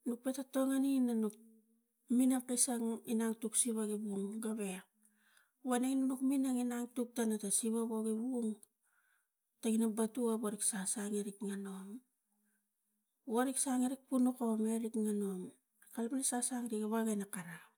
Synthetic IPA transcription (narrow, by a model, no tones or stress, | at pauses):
nuk̚petato̞ŋaninanuk̚ | minapkisaŋinaŋtuksiβaɡibuŋɡaβe | βaneŋnanukminaŋinaŋtuk̚tanatasiβaβoɡibuŋ | taɡinabatuaβoɾiksasaŋeɾikŋanom | oɾiksaŋeɾik̚punukaβameɾikŋano̞m | kalpinasasaŋɾikaβaɡanakaɾa